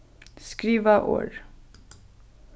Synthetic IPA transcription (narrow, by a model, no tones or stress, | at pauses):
skɾiːʋaʔo̰ːɾ